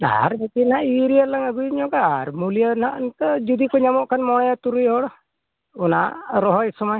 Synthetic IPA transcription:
a̰ɾbɛt̪inɦaʔiɾijəlaŋaɡujɲɔɡaaɾmulijanhaʔnt̪ɔd͡ʒud̪ikɔɲamɔʔkʰanmɔɽ̃ɔjat̪uɾujɦɔɽɔ | ɔnaʔɾɔɦɔjsɔmaj

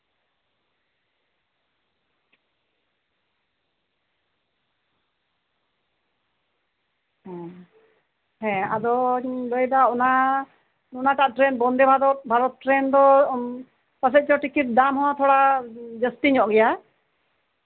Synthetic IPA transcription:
ɦɛ̃ | hɛ̃ad̪ɔləjdaɔna | nunaʈaʔʈɾɛnbɔnd̪ɛbʱad̪ɔt̪̚bʱaɾɔt̪̚ʈɾɛnd̪ɔ | pasɛt̪̚t͡ʃɔʈikit̪̚d̪amhɔ̃t̪ʰɔɽad͡ʒəstiɲɔʔɡɛja

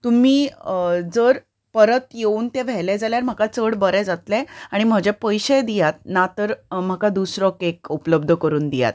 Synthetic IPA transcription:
t̪um̤iːd͡zəɾ | pəɾət̪jeuːnt̪ẽʋ̤ɛlɛd͡zaljaɾm̤akat͡səɽbəɾɛ̃d͡zat̪lɛ̃aɽ̃im̤əd͡ʑɛpəjɕəd̪ijat̪̚nat̪əɾm̤akad̪usɾɔkekupləb̚d̪ʱəkəɾuːnd̪ija̰t̪

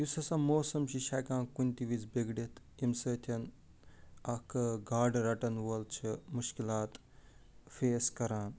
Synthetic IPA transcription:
isɐsɐmoːsɐmt͡ʃiʃaːjkãːnkunʲt̪iʋit͡sbeɡɽit̪ | imsɐt̪ʰɐn | ɐkʰɡaːɖɾɐʈɐnʋɐlt͡ʃʰimuʃkilaːt̪ | feːskɐɾaːn

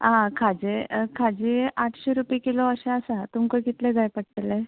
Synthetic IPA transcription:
ɦãkʰad͡ʑekʰad͡ʑiaʈʰɕeɾupekiloəɕeəsat̪umkojkit̪led͡zajpəʈ̚t̪ele

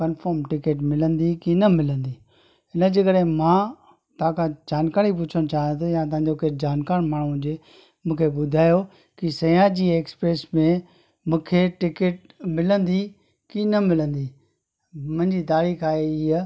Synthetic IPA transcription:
kɐnfʰəːɾmʈɪkeːʈ̬mɪlə̃nd̪ikinɐmɪlə̃nd̪iː | ɪnəd͡ʑekəɾẽmãː | t̪ɐɦãkʰãd͡ʑaːnkaːɾipʊt͡ɕʰəñt͡ɕaːɦĩjt̪ʰujãt̪̬ɐ̃ɦãɲd͡ʑokeːʈʰd͡ʑaːnkaːɾmaːɳ̤̃ũɦʊ̃d͡ʑe | mũːkʰebʊd̪ʱaːjo | kisɐjãd͡ʑiːeːkspɾeːsmẽ | mũːkʰeʈɪkeːʈ̚ | mɪlə̃nd̪i | kinɐmɪlə̃nd̪i | mɐ̃ɦɪ̃ɲd͡ʑit̪aːɾiːxaːɦeiː

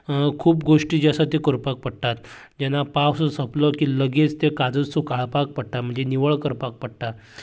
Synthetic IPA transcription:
kʰuːpɡoʂʈiːd͡ʑasat̪ikoɾpak̚pəɽt̪at̪ | d͡ʑanːapawsɔsəplɔkiləɡet͡st̪ekad͡zəsukaɭpak̚pəɽ̚ʈ̪am̤əɳd͡zeniʋəɭkəɾpak̚pəɽt̪a

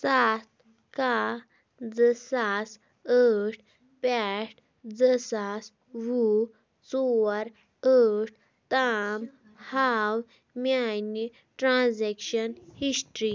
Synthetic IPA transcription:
sat̪̚ | ka | d͡zəsas | əʈ̚ʰ | pɛʈ̚ʰ | d͡zəsas | ʋu | t͡sɔɾ | əʈ̚ʰ | t̪am | haw | mjajni | ʈɾãzɛkɕənhisʈɾi

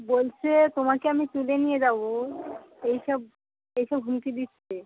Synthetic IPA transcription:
bolt͡ɕʰet̪omakeamit̪ulenijed͡ʑabo | ejʃɔb | ejʃɔbɦumk̪id̪it̪ːt͡ɕʰe

